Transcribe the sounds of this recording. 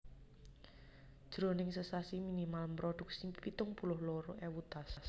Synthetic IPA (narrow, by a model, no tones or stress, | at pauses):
d̥ʒ̥ɾonɪŋsəsasiminimalmpɾoɖ̪̥ʊ̤k̚sipit̪ʊŋpulʊhloɾoʔɛwut̪ass